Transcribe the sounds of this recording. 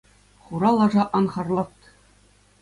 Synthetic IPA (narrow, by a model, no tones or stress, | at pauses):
χuɾɑlˠɑʐɑʔɑnχɑrlˠɑt̪